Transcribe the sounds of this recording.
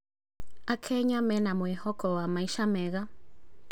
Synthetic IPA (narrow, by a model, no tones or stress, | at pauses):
akʰɛɲamɛnamwɛhɔkʰɔwamaiʃamɛɣa